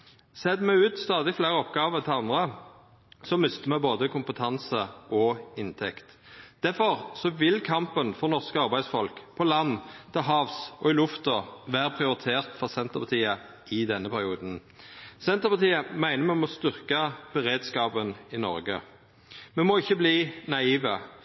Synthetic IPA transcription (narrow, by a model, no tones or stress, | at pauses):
sɛd̪mæɪʉːt̪st̪ɑːd̪ɪfleːʁəɔpɡɑːʋəʁt̪ʰɪlɑnd̪ʁə | sɔmʏst̪əmɛboːd̪əkʰʊmpət̪ʰɑnsəʔɔɪnt̪ʰɛkt̪ | d̪̥æfɔʁsɔʋɪlkʰɑmpənfɔʁnɔʁskəɑʁbæɪsfɔlkpʰɔlɑnːt̪ʰɪɦɑːʋsɔɪlʉft̪ɔʋæːʁəpʰʁɪʊɾɪt̪ʰeːʁt̪fɔʁsɛnt̪əʁpʰɑt̪ʰiːə | ɪd̪ɛnːəpʰæʁɪuːd̪n̩ | sɛnt̪əʁpɑt̪iːəmæɪnəmɛmɔst̪ʏʁkəb̥əʁeːd̪skɑːbənɪnɔ̰ɾɡə̰ | mɛmɔɪçːəbliːnɑiːʋə